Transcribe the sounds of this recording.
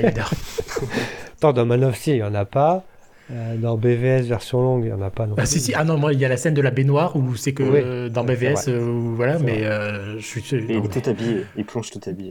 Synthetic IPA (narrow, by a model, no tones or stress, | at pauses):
d̪ɛʁ | t̪ɑ̃d̪ɑ̃manɔfsijɑ̃napa | ød̪ɑ̃beveɛsvɛʁsjɔ̃lɔ̃ɡjɑ̰̃napanɔ̃asisiʔanɔ̃mwailjalasɛnd̪əlabenwaʁusɛkəwid̪ɑ̃beveɛsøuvwalamɛøʒə̥sɥisøilɛt̪ut̪abijeilplɔ̃ʃt̪ut̪abije